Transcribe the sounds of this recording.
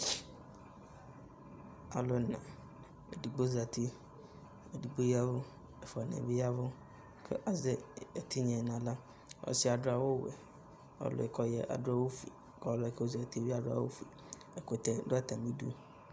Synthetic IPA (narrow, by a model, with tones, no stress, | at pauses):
a˨lo˦˨nã̰˨ | ḛ˨di˨ɡ͡bo˦za˨t̪ʰi˦ | ee˨di˨ɡ͡bo˦ji˦a˦vo˦ | e˨fɔ˨nḛ̃˨bi˦a˦vʊ˦ | kʰḛ˦ʔa˨ze˦e˨t̪ʰi˦ɲɛ̃˨nã˨la˦ | ɔ̰˦si˦a˨dʊ˦a˨wo˦wɛ̰˨ | ɔ̰˨lʊ̰˨ɛ˨kɔ˨jɛ˨ʔa̰˨dʊ˦a˦wo˦fḭ˨kɔ˨˦lɔ˦e˨ko˦za˨t̪i˦i˦a˨dʊ˦a̰˦˨wo̰˦fi˨ | e˨ko˨t̪ɛ˨˦do˦a˦t̪ã˨mĩ˦dṵ˦